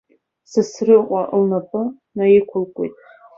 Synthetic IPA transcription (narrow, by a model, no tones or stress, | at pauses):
sɨsrɨqʷʼaʔlnapʼɨ | najikʷʰʊlkʷʼo̰jtʼ